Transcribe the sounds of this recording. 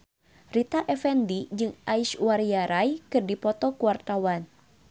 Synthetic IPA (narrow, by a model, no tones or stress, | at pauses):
rit̪aʔɛfɛndid͡ʒɨŋʔaiʃwaɾiaɾajkɨrdipɔt̪ɔkuwart̪awan